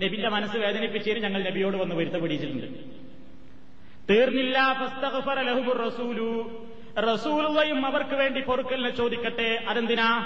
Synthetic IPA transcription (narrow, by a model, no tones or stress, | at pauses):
ne̞bindemɐnɐsːɨʋe̞ːd̪ɐnipːit͡ɕːeːnɨɲɐŋːɐɭne̞bijo̞ːɽɨʋɐnːuʋɐɾut̪ːɐpɐɽijit͡ɕːiʈ̪ːuɳɖɨ̰ | t̪iːrnilːaːfɐst̪ɐɣfɐɾɐlɐɦumurːɐsuːlu | rɐsuːlulːɐjumɐʋɐrkɨʋe̞ːɳɖipo̞rukːɐlnɐt͡ɕo̞ːd̪ikʲːɐʈːe̞ʔɐðɐnd̪ina